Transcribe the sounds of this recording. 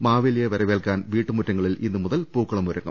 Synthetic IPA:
maːʋilijeʋɐɾɐʋeːlkaːnʋiːʈːɨmutːɐŋːɐɭilʔḭnːɨmuðɐlpuːkːɐɭɐmuɾɐŋːɐ̰

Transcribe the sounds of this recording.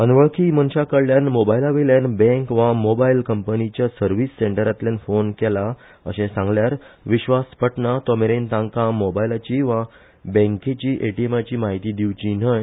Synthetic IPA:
ənʋəɭkʰimənɕakəɽljanmobajlaʋiljanbɛ̃ŋkʋamobailkəmpənit͡ɕjasəɾʋisːeɳʈəɾat̪ljãnfonkɛla | ə̰ɕẽsãŋɡljaɾʋiɕʋaspəʈnat̪ɔmeɾent̪ãŋkãmobajlat͡ɕiʋa | bɛ̃ŋkẽt͡ɕiːʔeʈiemat͡ɕiːmaɦit̪iːd̪iʋt͡ɕinəj

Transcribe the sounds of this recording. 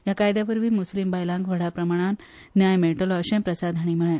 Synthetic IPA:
jakajd̪jaʋəɾʋiːmuslimbajlãŋkʋəɽapɾəmaɽ̃an | njajmeʈoləɕəmpɾəsad̪ʱaɽ̃iməɭe

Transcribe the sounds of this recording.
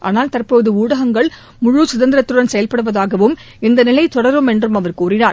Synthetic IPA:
ʔa̰ːnaːlt̪ɐrpoːðɯuːɽɐɣɐŋɡɐɭ | mʊɻusʊðɐnd̪ɪɾɐt̪ːɯɽɐnsɛjɐlpɐɽɯʋɐðaːɣɐʋɯm | ɪnd̪ɐnɪlɐɪt̪ɔɽɐɾɯmɛndrɯmɐʋɐɾkuːrɪnaːɾ

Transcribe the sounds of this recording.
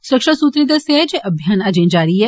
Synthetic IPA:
sʊɾəkʃasuːt̪ɾid̪ɐseɦɛd͡ʒeːʔɐbʱjaːnad͡ʒẽːnd͡ʒaːɾiɦɛ

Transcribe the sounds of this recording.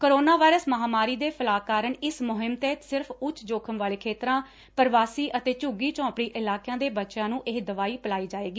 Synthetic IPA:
kəɾoːnaːʋaːɪɾəsməɦaːmaːɾiːd̪eːpʰəlaːkaːɾəɳɪsmʊɦɪmt̪eːsɪɾpʰʊt͡ʃʰd͡ʒoːkʰəmʋaːleːkʰeːt̪ɾãː | pəɾʋaːsiːʔət̪eːt͡ʃʊɡiːt͡ʃɔ̃ːpɽiːʔɪlaːkjãːd̪eːbətːʃãːnũːʔɪɦd̪əʋaːiːpəlaːiːd͡ʒaːʋeːɡiː

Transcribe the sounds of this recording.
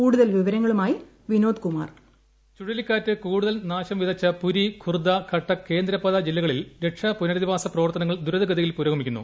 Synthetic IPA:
uːɽuðɐlʋiʋɐɾɐŋːɐɭumaːji | ʋino̞ːd̪kuma̰ːr | t͡ɕuɽɐlikʲːaːtːɨkuːɽuðɐlnaːɕɐmʋiðɐt͡ɕːɐpuɾikʰurd̪ɐkʰɐʈːɐke̞ːnd̪ɾɐpːɐðɐd͡ʑilːɐɣɐɭilɾeʈʂɐpunɐɾɐðiʋaːsɐprɐʋɐrt̪ːɐnɐŋːɐɭd̪uɾɐðɐɡɐðɐjilpuɾɐːumikʲːunːṵ

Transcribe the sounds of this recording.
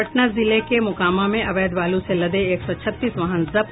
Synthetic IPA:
əʈnazɪlekemʊkaːmamẽʔɐʋeːd̪ʋaːlũselɐd̪eːksɔt͡ʃʰɐt̪ːiːsʋɐɦə̃nzɐp

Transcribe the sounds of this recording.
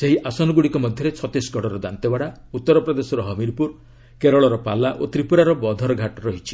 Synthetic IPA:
seɦiʔasɔnɔɡuɽikɔmɔd̪ʱjɔɾet͡ʃʰɔt̪isɡʱɔɽɔɾɔd̪ant̪ebaɽaut̪ːɔɾɔpɾɔd̪esɔɾɔɦɔmiɾpuɾ | keɾɔɭɔɾɔpalaʔot̪ɾipuɾaɾɔbɔd̪ʱɔɾɔɡʱaʈɾɔɦit͡ʃʰi̥

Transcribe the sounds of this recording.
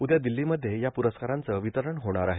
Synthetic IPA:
ud̪jad̪ilːiməd̪ʱːjejapuɾəskaɾant͡səʋit̪əɾəɳɦoɽ̃aɾaɦe

